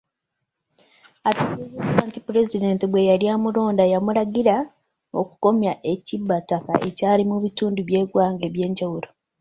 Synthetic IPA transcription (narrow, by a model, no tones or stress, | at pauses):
atuiaːntipuɾe̞zide̞ntibwe̞jaljaːmulo̞ːndajamulaɡiɾa | o̞̰ku̥ko̞mjaʔe̞cibːataka̰ʔe̞̰caːlimuβituːnduβje̞ːɡwaːŋɡe̞ːβje̞ːɲɟawuɾo̞